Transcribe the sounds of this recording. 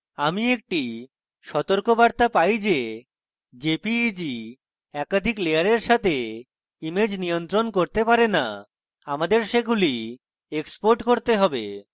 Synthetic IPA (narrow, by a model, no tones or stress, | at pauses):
amiek̚ʈi | ʃɔt̪oɾkobaɾt̪apajd͡ʑe | d͡ʑepid͡ʑi | ɛkad̪ʱiklejaɾeɾʃat̪ʰe | imed͡ʑnijont̪ɾonkoɾt̪epaɾena̰ | amad̪eɾʃekɡuli | ekspoɾʈkoɾt̪eɦɔbḛ